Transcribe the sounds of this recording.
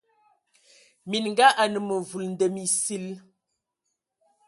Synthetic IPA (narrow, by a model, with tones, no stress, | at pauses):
mi˨nŋ˦ɡa˦ʔa˨nə˨mə˨vu˨ln̩˦də˨mi˨si˦l